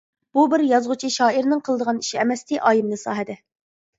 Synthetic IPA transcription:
b̥ubɪɾjɑzʁʊt͡ʃʰiʃɑːiɾnɨŋqʰəlˠd̪əʁɑni̥ʃiɛmɛst̪ɪʔɑːjimnɨsɑːɦɨd̪ɪ

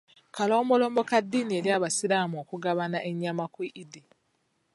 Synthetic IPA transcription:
kalo̞ːmbo̞lo̞ːmbo̞kadːiːnieɾjaːβasilaːmuoːkuɡaβanaʔe̞ɲːamakwiʔidi

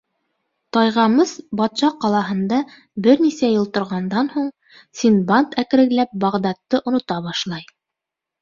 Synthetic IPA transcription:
t̪ɑjʁɑmɤzbɑt̪ʃɑqɑlˠɑɦɤ̆nd̪ɑ | bɘɾnisæjɤ̆lˠt̪ŏɾʁɑnd̪ɑnhuɴ | sʲinbant̪ækɘ̆ɾɘ̆ɡlæp̚bɑʁd̪ɑt̪ːɤʔŏnŏt̪ɑβɑʃlˠɑj

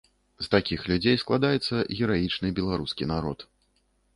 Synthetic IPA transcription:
st̪akʲixlʲud͡zʲejsklˠad̪ajɛt̪sːɐɣʲɛɾajit͡ʂnɨbʲɛlˠaɾuskʲinaɾɔt̪

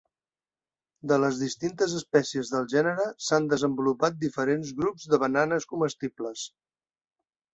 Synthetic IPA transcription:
d̪ələzðist̪int̪əzəspɛsiəzðəlˠʒɛnəɾəsand̪əzəmbulupat̪̚d̪ifəɾenzɣɾupzdəβənanəskuməst̪ibləs

